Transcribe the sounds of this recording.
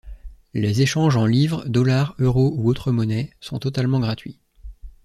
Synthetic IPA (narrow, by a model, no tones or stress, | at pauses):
lezeʃɑ̃ʒɑ̃livʁd̪ɔlaʁøʁouot̪χəmɔnɛsɔ̃t̪ɔt̪almɑ̃ɡʁat̪ɥi